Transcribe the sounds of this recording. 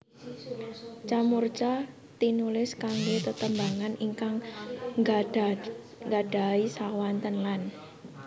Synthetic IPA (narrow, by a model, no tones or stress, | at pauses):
t͡ʃamurt͡ʃa | t̪inulɪskaŋɡot̪ət̪əmbaŋaniŋkaŋ | ŋɡaɖ̥a̤isawant̪ənlan